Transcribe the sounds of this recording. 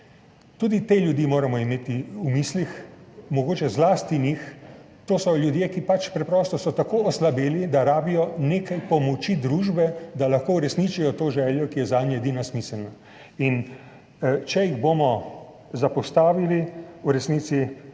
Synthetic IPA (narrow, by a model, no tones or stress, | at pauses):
t̪uːd̪it̪eːljud̪jiːmoːɾamɔimeːt̪iumiːslixmɔɡoːt͡ʃɛzlaːst̪inix | t̪oːsɔljud̪jeːkipat͡ʃpɾɛpɾɔːst̪ɔsɔt̪akoːɔslabeːlid̪aɾaːbijɔneːkajpɔmɔt͡ʃid̪ɾuːʒbɛd̪alaxkoːuɾɛsnit͡ʃijɔt̪oːʒɛːljɔkijɛzaːd̪njɔed̪iːnasmiːsɛlna | in | t͡ʃɛjiɣboːmɔ | zapɔst̪aːʋiliuɾɛsniːt̪si